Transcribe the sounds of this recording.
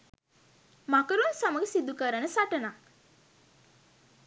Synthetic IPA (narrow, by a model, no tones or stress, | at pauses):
makəɾunsaməɡəsid̪ukəɾənəsaʈəna